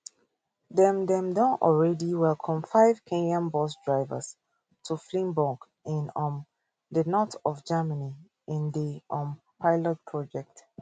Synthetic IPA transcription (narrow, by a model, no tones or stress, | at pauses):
dɛ̃mdɛ̃mdɔ̃nɔ̰lɹɛdiwɛlkʰɔ̃mfaɪv̥kʰẽnãmbɔsdɹaɪvə̰s | tʰuflĩmbɔɡ | ɪ̃nɔ̃n | dənɔtɔvd͡ʒaməni | ɪ̃ndiɔ̃m | pʰaɪlɔt̚pʰɹɔd͡ʒɛk̚t